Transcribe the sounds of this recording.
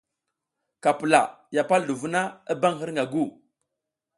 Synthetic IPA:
ka˨pə˨la̰˨ja˨pa˦ldu˨vu˦na˦ə˦ba˦ŋɦi˦ɾŋɡa˨ɡu˦˨

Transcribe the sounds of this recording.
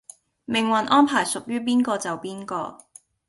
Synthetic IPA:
mɪ˨˩ŋwɐ˨nʔɔː˥npʰaː˨˩jsʊ˨k̚jyː˥p̬iː˥nkɔː˧t͡sɐ˨wpiː˥nkɔː˧

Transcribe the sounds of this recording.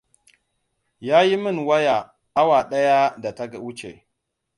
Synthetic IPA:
ja˦ji˦mi˦˨nwa˦ja˨ | a˦wa˨ɗa˦ja˦da˨ta˦ɡa˨wu˦t͡ʃḛ˨

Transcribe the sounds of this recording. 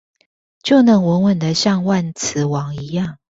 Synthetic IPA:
t͡ɕjo˥˨ʊnə˨˦ŋwə˨˦nwə˨˩nd̪ə˦ɕjɑ˥˧ŋwa˥˨nt͡s̩ʰ˨˦wɑ˨˦ŋi˨˦jɑ˥˨ŋ

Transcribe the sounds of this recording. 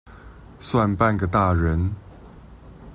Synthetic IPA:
swa˥˧npa˥˨nɡə˩t̪a˥˨ɻə˨˦n

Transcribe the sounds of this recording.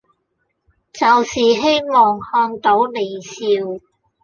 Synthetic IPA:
t͡sɐ˨wsiː˨ɦe˥jmɔː˨ŋhœː˧ŋt̪o˨˥wle˨˩jsiː˧w

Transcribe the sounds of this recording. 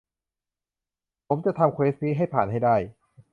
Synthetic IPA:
pʰo˩˦mt͡ɕa˨˩t̪ʰa˧mkʰweː˦˥sniː˦˥ɦa˥˩jpʰaː˨˩nɦa˥˩jda˥˩j

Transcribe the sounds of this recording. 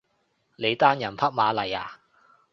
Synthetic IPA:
le˨˧jt̪aː˥njɐ˨˩npʰɐ˥k̚maː˨˧lɐ˨˩jaː˨˩

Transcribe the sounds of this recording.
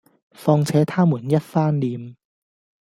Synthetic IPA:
fɔː˧ŋt͡sʰɛː˨˥t̪ʰaː˥muː˨˩njɐ˥t̚faː˥nliː˨m

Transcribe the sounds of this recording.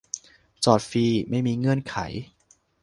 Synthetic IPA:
t͡ɕɔː˨˩t̪̚fiː˧ma˥˩jmiː˧ŋɤ˧˥ənkʰa̰˩˦j

